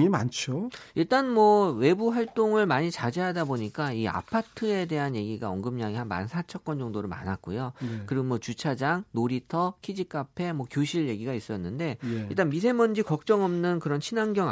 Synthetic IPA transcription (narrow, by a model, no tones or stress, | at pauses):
ima̰nt͡ɕʰoiɭt͈anmwʌwe̞buɸwaɭt͈oŋɯɭmaɲit͡ɕad͡ʑeɦadaboɲik͈aia̰pʰatʰɯe̞de̞ɦanje̞ɡiɡaʌŋɡɯmɲaŋiɦanma̰nsʰat͡ɕʰʌk͈̚wʌnd͡ʑʌŋdoɾɯɭma̰nat̚k͈ujokɯɾiɡomwʌt͡ɕut͡ɕʰad͡ʑaŋnoɾitʰʌkʰid͡ʑik͈apʰe̞mwʌkjoɕʰiɭje̞ɡiɡais͈ʌnːɯnde̞iɭt͈anmis̬ʰe̞mʌnd͡ʑikʌk̚t͡ɕ͈ʌŋʌmnɯnkɯɾʌnɕʰinaŋɡjʌŋ